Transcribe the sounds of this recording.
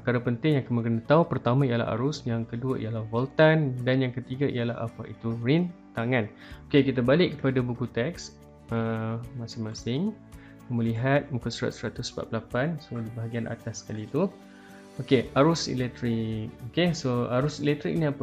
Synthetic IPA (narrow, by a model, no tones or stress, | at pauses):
pəkaɾapənt̪ɪŋjaŋkəməkənət̪aupərt̪amãijala̰ɦa̰ɾʊsjaŋkəduəʔḭjalahvɔlt̪andanjaŋkət̪iɡaʔijalaɦa̰paʔit̪urint̪aŋan | okekit̪abalɪʔkːəpadabukut̪ɛks | əmãsɪŋmãsɪŋ | kaməliɦat̪̚mukusəɾa̰t̪̚sɾat̪ʊsbaʔpəlapansodibaɦaɡianʔa̰t̪asːə̥kalit̪u | okeaɾʊsḭlɛk̚t̪ɾik̚okesoaɾʊsilɛk̚t̪ɾḭk̚nĩapə